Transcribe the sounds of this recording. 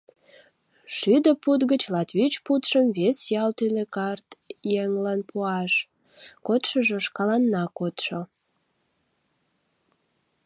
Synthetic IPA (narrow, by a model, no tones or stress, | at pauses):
ʃyd̪əput̪ɣət͡ɕlɑt̪βʲit͡ɕput̪ʃəmβesjɑlt̪ylekɑrt̪jeŋlɑnpʰuɑʃ | kot̪ʃəʒəʃkɑlɑnːɑkot̪ʃo